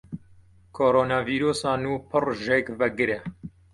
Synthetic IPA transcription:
kʰoːɾoːnɑːviːɾoːsɑːnuːpʰɨrʒekvɛɡɨɾɛ

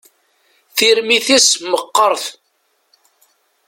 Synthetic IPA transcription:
θiɾmiθisməqːəɾˤθ

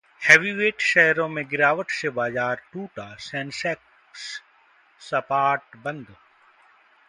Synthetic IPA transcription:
hɛːʋiʋeːʈʃɛɦɾõmẽɡɪɾaːʋəʈsebaːzaːɾʈuːʈasɛ̃ːnsɛːk | s | sɐpaːʈbɐ̃nd̪

